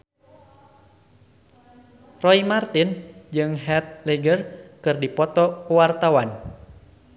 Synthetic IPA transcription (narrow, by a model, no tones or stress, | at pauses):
rɔimart̪ind͡ʒɨŋɦɛt̪̚leɡərkɨrdipɔt̪ɔkwart̪awan